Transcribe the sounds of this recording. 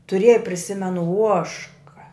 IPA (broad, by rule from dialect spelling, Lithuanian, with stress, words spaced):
tʊˈrʲeːjɛ pʲrʲɪˈsʲɪmʲɛnʊ ˈuɔʃkɐ